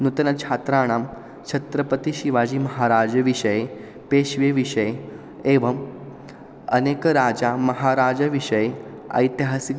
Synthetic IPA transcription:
nut̪ənat͡ʃʰat̪ɾaːɽ̃am | t͡ʃʰɐt̪ɾəpət̪iʃiʋad͡ʑiːməɦaɾad͡ʒəʋiʂəje | peʃʋeʋiʂəje | eʋəm | ənekɾad͡ʒamɐɦaɾad͡ʒaʋiʂəje | ə̰jt̪ɦasik

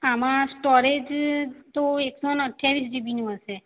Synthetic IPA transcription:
amãsʈɔɾed͡ʒt̪oeksonəʈʰjaʋisd͡ʒebinũɦəse

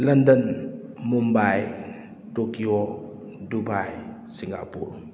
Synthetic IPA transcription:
lɐndɐnmumbaj | tokio | dubaj | siŋa̰pṵɾ

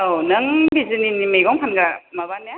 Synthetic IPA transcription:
onɯŋbizɯninimɯjɡɔŋpʰanɡamɐβanja

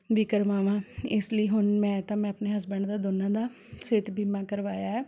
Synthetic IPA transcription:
ʋikəɾʋaːʋãːɪsləiːɦʊnmɛ̃ːt̪ãːmɛ̃ːəpneːɦəs̬bəɳd̪aːd̪ʊnãːd̪aː | seːt̪bʱiːmãːkəɾʋaːjaːɦɛː

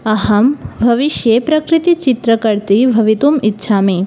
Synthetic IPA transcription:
ɐɦɐmbʱɐʋiʃjepɾɐkɾit̪it͡ʃit̪ɾɐkɐɾt̪ibʱɐʋit̪umitːʃʰaːmeː

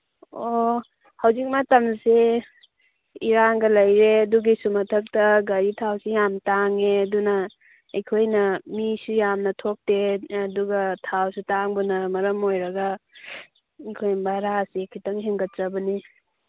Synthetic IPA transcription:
o | hawzik̚matɐmse | iɾaŋɡɐlɐjɾeduɡisumɐtʰɐk̚tɐɡɐɾitʰawsijamtaŋedunɐː | jkʰojnɐmisujamnɐtʰok̚teːduɡɐtʰawsutaŋbunɐmɐɾɐmojɾɐɡa | jkʰojbaɾasikʰitɐŋɦeŋɡɐt͡ʃɐbɐni

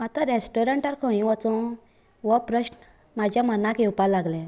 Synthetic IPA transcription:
at̪ãɾesʈɔɾaɳʈaɾkʰɔ̃ĩʋat͡sɔ̃ | ʋɔpɾəɕn | mad͡ʑʱjamənakewpalaɡlɛ̃

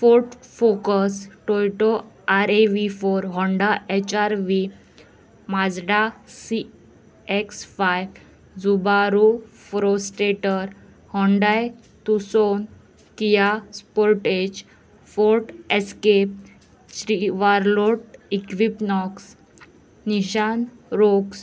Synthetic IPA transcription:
foɾʈfokəsʈojʈo | aɾeʋifoɾɦɔ̃ɳɖaet͡ɕaɾʋi | mad͡zɽasi | eksfajb | d͡zubaɾufɾosʈeʈəɾ | hɔ̃ɳɖaj | t̪uson | kijaspoɾʈed͡ʑ | foɾʈeskep̚ | ɕɾiʋaɾloʈikʋipnɔks | niɕanɾoks

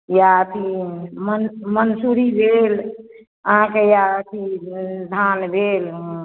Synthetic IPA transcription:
jaət̪ʰimənmənsuɾibʱel | əɦãkejaət̪ʰid̪ʱanbʱel

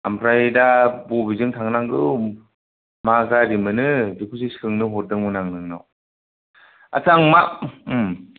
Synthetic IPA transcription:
ampʰɾajdabubizɯŋtʰaŋnaŋɡɯ | maɡaɾimɯnɯdikʰusiskʰɯŋnɯɦɔt̚dɯŋmɯnaŋnɯŋnɔ̰w | a̰taŋma

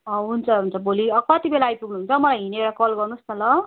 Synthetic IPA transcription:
ʌɦunt͡sʰʌɦunt͡sʰʌboliʌkʌt̪ibelaːjpuɡnuɦunt͡sʰʌmʌlajɦineoɽakʌlɡʌrnusnʌlʌ

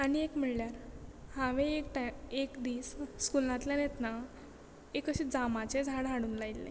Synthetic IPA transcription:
aniekm̤iɭljaɾhãʋekʈekd̪iːsːkulãt̪ljanet̪na | ekəɕid͡zamat͡ɕed͡zʱaɽɦaɽuːnlailːḛ

